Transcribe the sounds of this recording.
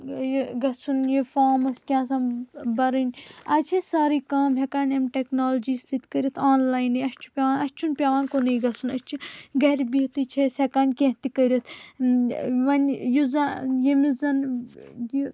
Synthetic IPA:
jɡɐsunjifaːmɐskʲãːsãbɐɾinʲaːt͡ʃʰisaːɾiːkaːmɦʲekaːnʲemʈeknoːld͡ʒiːst̪ʰit̪kɐɾʲɐt̪ʰaːnlaːjniɐst͡ʃʰu̥pʲaːʋaːnɐst͡ʃʰunpʲaːʋaːnkonijɡɐsʰunɐst͡ʃʰiɡɐɾʲbiɦt̪it͡ʃʰesekaːnʲkẽɦt̪ikəɾʲɐt̪ʰ | ʋɐnjuzajimizɐnji

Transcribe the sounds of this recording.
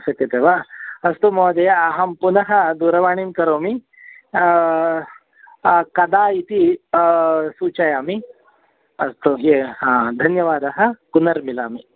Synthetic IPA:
ʃɐk̪ɐt̪eːʋaɐst̪umoːd̪ɐjɐːɦɐmpunɐɦɐd̪uːɾɐʋaːɳimkɐɾoːmi | kɐd̪aːit̪i | suːt͡ʃɐjaːmi | ɐst̪ueɦãːd̪ʱɐnjɐʋaːd̪ɐɦɐkunɐɾmila̰ːmi

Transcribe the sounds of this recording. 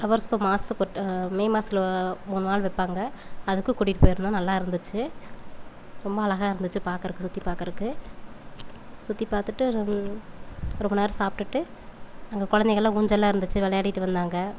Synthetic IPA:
ɐʋɐɾsoːmaːsɯkɔʈːmɛɪmaːsɪlɐmuːnnaːlʋɛpːaːŋɡɐɐðɯkːɯ̃kʊɽɪʈːɯpoːjɪɾɯnd̪aːnɐlːaːɪɾɯnd̪ɯt͡ʃːɯ | ɾɔmbɐːlɐɣãːɪɾɯnd̪ɯt͡ʃːɯpaːɾkɐɾɯkːɯsʊt̪ːipaːɾkɪɾɯkːɯ | sʊt̪ːipaːɾt̪ɯʈːɯ | ɾɔmbɐnaːɾɯsaːp̚ʈɯʈːɯnaːŋɡɐkɔɻɐnd̪ɛɣɐɭːãuɲd͡ʒɐlːãːɪɾɯnd̪ɯt͡ʃːɯʋɛɭɐjaːɽɪʈːɯʋɐnd̪aːŋɡɐ

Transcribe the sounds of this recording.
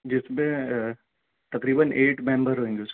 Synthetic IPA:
d͡ʑɪsmẽ | t̪ɐkɾiːbənʔeːʈmẽːmbəɾɦoɦĩnd̪ius

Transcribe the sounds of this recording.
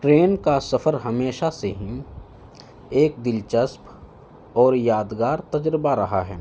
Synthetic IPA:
ʈɾeːnkasɐfəɾɦɐmeːʃaseɦi | eːk̚d̪ɪlt͡ʃəsp | ɔːɾjaːd̪ɡaːɾt̪ɐd͡ʒɾəbaɾɐɦaɦɛː

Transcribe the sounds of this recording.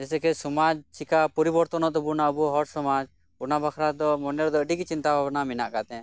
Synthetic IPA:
d͡ʒɛsɛkɛsɔmad͡ʒt͡ʃikapɔɾibɔɾt̪ɔnɔt̪ɔbunaəbuɦɔɾsɔmad͡ʒ | bunabakʰɾad̪ɔmɔnɛɾd̪ɔəɖiɡit͡ʃint̪abʱabnaminaʔkat̪ɛ̃

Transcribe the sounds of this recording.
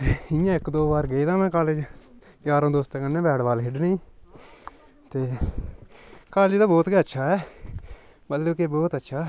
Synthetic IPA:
eɪjãːɪkd̪oːbaːɾɡəiːd̪aːmɛ̃ːkaːleːd͡ʒ | ɡaːɾõːd̪oːst̪ẽːkənːẽːbɛːɽbaːlɦɪɖnĩː | t̪eː | kaːled͡ʒd̪aːbɔːt̪ɡəətːʃʰaːɛː | bəlːoːkeːbɔːt̪ətːʃʰaː

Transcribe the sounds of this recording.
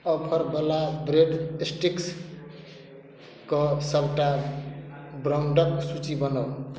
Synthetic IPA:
ɔpʰʌɾbəlabɾeɖsʈiks | kɔsəbʈa | bɾauɳɖʌksut͡ʃibʌnəw

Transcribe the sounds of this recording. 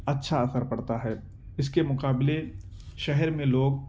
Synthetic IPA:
ɐtːʃʰaɐsəɾpɐɽt̪aɦɛː | ɪskemʊqaːble | ʃɛɦɛɾmẽloːɡ̚

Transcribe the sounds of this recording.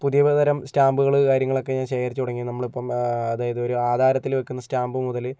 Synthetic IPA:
puðijɐʋɐðɐɾɐmstaːmbuɣɐɭkaːɾjɐŋːɐɭo̞kːe̞ɲaːnɕe̞ːkɐɾit͡ɕːɨt̪uɽɐŋːinɐmːɐɭipːɐmɐðaːjɐðɨo̞ɾuaːd̪ʱaːɾɐt̪ːilʋɐkʲːunːɐstaːmbɨmuðɐlɨ

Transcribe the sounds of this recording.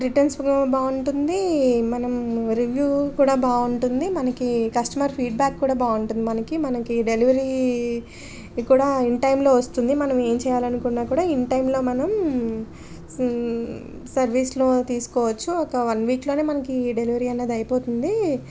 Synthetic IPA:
ɾiʈɐnsbaːuɳʈund̪imɐnɐmɾiʋjuːkuːɽaːbaːuɳʈund̪imɐnɐkikɐsʈɐmɐɾpʰiːɖ̚baːkːuːɽaːbaːuɳʈund̪imɐnɐkimɐnɐkiɖeliʋɐɾi | kuːɽaːiɳʈɐjmlo̞ːʋɐst̪und̪imɐnɐme̞ːmt͡ʃɛːjaːlɐnukunːaːkuːɽaːiɳʈɐjmlo̞ːmɐnɐm | sɐɾʋiːsloːt̪iːsu̥kɔːʋɐt͡ʃːuɔkɐʋɐnʋiːklo̞ːne̞ːmɐnɐkiɖeliʋɐɾiːɐnːeːd̪ɐjɐpo̞ːt̪und̪i

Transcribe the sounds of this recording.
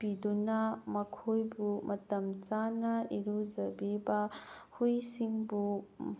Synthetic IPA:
pidunɐmɐkʰojbumʔɐtɐmt͡ʃanɐiɾuzɐbibɐ | hujsiŋbu

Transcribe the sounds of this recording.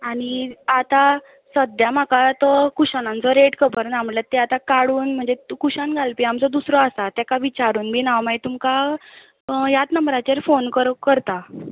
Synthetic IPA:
aɽ̃iat̪a | səd̪jamakat̪ɔkuɕanãnt͡sɔɾeʈkəpəɾnaməlat̪ːeat̪akaɽuːnm̤əɳd͡zekuɕanɡʱalpiamt͡sɔd̪usɾɔasat̪jakaʋit͡ɕaɾuːnmiːnaʋmajt̪umka | jat̪nəmbɾat͡ɕeɾfonkəɾkəɾt̪a

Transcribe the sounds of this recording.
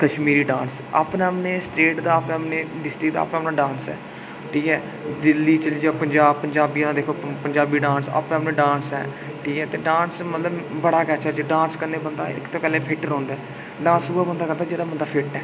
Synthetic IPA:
kəʃmiːɾiːɖãːns | a̰ːpneːəpneːsʈɾeːʈd̪aːəpneəpneːɖɪsʈɾɪk̚d̪a̰ːpnaːpnaːɖãːnsɛ̰ː | ʈʰiːkɛː | d̪ɪlːiːt͡ʃəld͡ʒaːpəɲd͡ʒaːbpəɲd͡ʒaːbijãːd̪aːd̪eːkʰoːpəɲd͡ʒaːbiːɖãːnsa̰ːpneapnẽːɖãːnsɛ̰ː | ʈʰiːkɛːt̪eːɖãːnsmət̪ləbbəɽaːkɛːt͡ʃʰɛːt͡ʃeɖãːnskəɾneːbənd̪a̰ːɪ̰kt̪oːkəleːpʰɪʈəɾɦõːnd̪aː | ɖãːnsuaːbənd̪aːkəɾd̪aːd͡ʒeːɽaːbənd̪aːpʰɪʈːɛː

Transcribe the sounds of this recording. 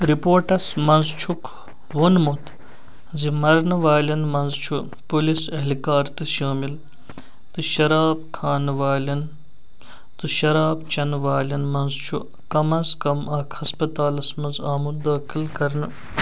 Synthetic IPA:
ɾipoːɾʈɐsmɐnzt͡ʃʰuk | ʋonmut̪ | zimɐɾnɨʋaːlɐnmɐnzt͡ʃʰu | pulisɐɦlikaːɾt̪ɨʃaːmil | t̪ɨʃɐɾaːb̚kʰaːnʋaːlʲɐn | t̪ɨʃɐɾaːbt͡ʃɐnʋaːlʲɐnmɐnzt͡ʃʰu | kɐmɐnzkɐmɐkhɐspɐt̪aːlɐsmɐnzaːmud̪aːkilkɐɾnɨ

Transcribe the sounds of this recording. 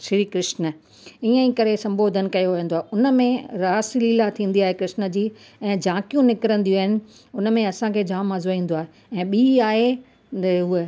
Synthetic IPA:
ʃɾiːkɾɪʃnə̆ | iːə̃ĩkɐɾesɐ̃mbʱoːd̪ʱən̆kɐjoʋjə̃nd̪oaːɦeʊnəmẽɾaːsliːlat̪ʰĩːn̆d̪iaːɦekɾɪʃnə̆d͡ʑiː | ɛ̃ːd͡ʑãːkijũnɪkɪɾə̃nd̪ijuaːɦɪnɪ̆ | ʊnəmẽɐsãkʰeːd͡ʑãːmːazoĩːn̆d̪oaːɦe | ɛ̃ːɓiːaːɦe | ɦue

